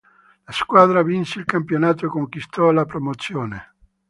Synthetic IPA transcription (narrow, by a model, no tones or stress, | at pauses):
laskwaːd̪ɾavinseilkampjonaːt̪oekoŋkwist̪ɔlapɾomot̪sːjoːne